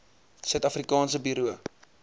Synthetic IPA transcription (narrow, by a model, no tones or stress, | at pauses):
sœɥt̪ɐfrikɑːns̬əbyɾuə